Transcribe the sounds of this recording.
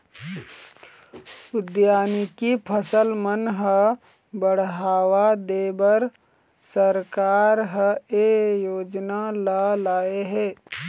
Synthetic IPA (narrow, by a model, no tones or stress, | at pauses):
ʊd̪jaːnikipʰəsəlmənɦə | bəɽ̤ɦaːwad̪eːbəɾ | səɾkaːɾɦəejoːd͡ʒnalalaːeɦɛː